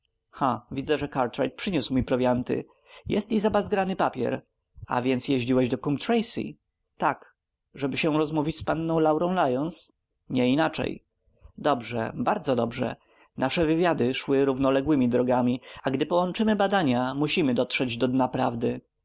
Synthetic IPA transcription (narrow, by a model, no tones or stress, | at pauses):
xavʲid̪zɛʐɛkaɾt̪ɾajt̪̚pʂɘɲusmujpɾɔvʲjant̪ɘ̰ | jɛst̪izabazɡɾanɘpapʲjɛ̰ɾ | a̰vʲjɛnt̪sjɛʑd͡ʑiwɛʑd̪ɔkumpt̪ɾɛjsḭ | t̪ak | ʐɛbɘɕɛɾɔzmuvʲit͡ɕʲspanːɔ̃w̃lawɾɔ̃w̃lajɔns | ɲɛinat͡ʂɛ̰j | d̪ɔbʐɛ̰baɾd̪zɔd̪ɔbʐɛ̰ | naʂɛvɘvʲjad̪ɘʂwɘɾuvnɔlɛɡwɘmʲid̪ɾɔɡamʲiaɡd̪ɘpɔwɔnt͡ʂɘmɘbad̪aɲamuɕimɘd̪ɔt̪ʂɛd͡ʑd̪ɔd̪ɲapɾavd̪ɘ